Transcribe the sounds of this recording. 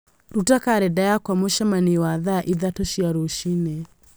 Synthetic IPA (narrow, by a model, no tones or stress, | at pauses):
ɾutakaɾɛdajakwamoʃamaniwaðaʔiðatɔʃiaɾoʃinɛ